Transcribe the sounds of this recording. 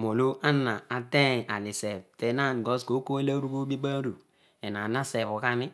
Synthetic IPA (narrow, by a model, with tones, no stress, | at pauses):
mo˨lo˦a˦nːa˨a˨de˦˨a˨li˨se˨b̚te˨˦na˦˨nɡo˦sɡo˦ko˦e˦la˦ɾu˦ɡo˦bi˦ba˦ɾu˨ | e˨na˨na˦se˨βu˨ka˦ni˦